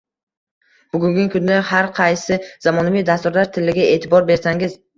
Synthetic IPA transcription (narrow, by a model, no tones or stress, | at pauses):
b̥ʊɡʲʊŋɡʲɪŋkʰʊnd̪ahaɾqʰɑjsɪz̥amɒnavijd̪ast̪ʊɾlaɾt̪ʰɪlːɪɡʲae̞ːt̪ʰɪbɒɾbe̞ɾsaŋɪz